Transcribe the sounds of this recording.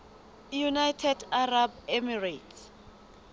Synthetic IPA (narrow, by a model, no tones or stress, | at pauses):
junajtʰɛdarabemiratʰ